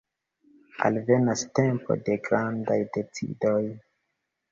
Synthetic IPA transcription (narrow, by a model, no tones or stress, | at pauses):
a̰lve̞naste̞mpo̞̰de̞ɡɾandajde̞t͡sḭdoj